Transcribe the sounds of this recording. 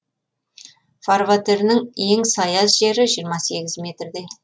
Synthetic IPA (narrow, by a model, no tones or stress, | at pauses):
farvat̪eɾnɪŋje̞ŋsɑjɑzʒe̞ɾɪʒijɾmɑse̞ɡʲɪzmʲe̞t̪rd̪e̞